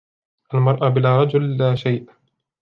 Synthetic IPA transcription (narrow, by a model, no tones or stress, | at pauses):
ʔalmɑɾˤʔabɪlaːɾˤɑd͡ʒʊlːaːʃajʔ